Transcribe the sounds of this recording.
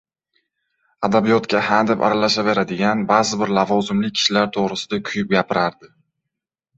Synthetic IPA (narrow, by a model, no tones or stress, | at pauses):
ad̪abijɒt̪kʲahand̪ɪpa̰ɾalaʃave̞ɾad̪ɪɡʲanbazɪbɪɾlavɒzɪmlɪk̚ʲkʰɪ̥ʃlaɾt̪ʰoʁɾɪsɪ̥d̪akʲʰʊjʊp̚ɡʲapʰɪɾaɾd̪ɪ